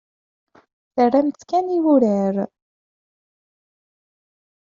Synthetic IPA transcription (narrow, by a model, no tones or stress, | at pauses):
θərːæmθkæniwuɾəɾ